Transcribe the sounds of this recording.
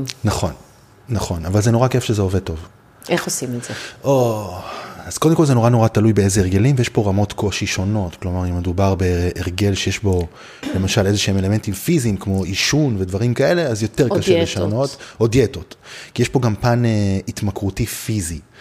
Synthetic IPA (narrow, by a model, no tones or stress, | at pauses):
naχo̞nː | aχo̞navalzeno̞ʁake̞fʃezeoved̚to̞v | ʔeχosimetz̥eʔo | az̥ko̞d̪emkolzeno̞ʁano̞ʁatalujbeezeeʁ̞ɡe̞limvejeʃpo̞ʁamo̞tkʰo̞ʃiʃo̞no̞tklo̞maʁime̞dubaʁbe̞ʔːʁɡe̞lʃejeʃbo̞ | le̞maʃalezeʃeeme̞le̞me̞ntimfiziːmkmo̞iʃunvedvaʁimkaele̞azjo̞te̞ʁkaʃɛleʃano̞ttodjetotkijeʃpo̞ɡampaneitmakʁutifizi